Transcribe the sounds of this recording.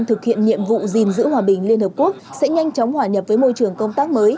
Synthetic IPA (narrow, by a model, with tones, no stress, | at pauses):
nt̪ʰɨ˨˩k̚hḭ˧˨ənɲḭ˧˨əmvṵ˧˨zi˨˩nzɨ̰˧˥ɦwaː˨˩ɓï˨˩ŋ̟li˧ənhə˨˩pku˦˥ək̚sɛ̰˧˥ɲa˧jŋ̟t͡ɕɔ˨˦wŋ͡mhwaː˨˩ɲə˨˩p̚vəː˨˦jmo˧jt͡ɕɨ˨˩əŋkə˧wŋ͡mt̪aː˦˥k̚məː˨˦j